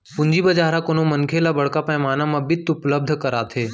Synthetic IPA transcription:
pʊ̃ɲd͡ʒiːbəd͡ʒaːɾakoːnomənkʰelabəɽ̤kaːpãmaːnãmãbɪt̪ʊpləb̚d̪ʱkɐɾaːt̪ʰeː

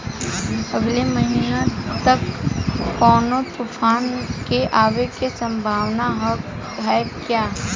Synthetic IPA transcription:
əɡʱleməɦiːnat̪ɐkː | ɔːnot̪ufʰaːnkeʔaːʋekesɐ̃mbʱaːʋnaɦ | ɦɛkjaː

